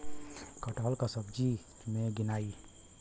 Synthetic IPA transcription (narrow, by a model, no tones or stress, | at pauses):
kəʈəlkasəb̚d͡ʒi | meɡinaːi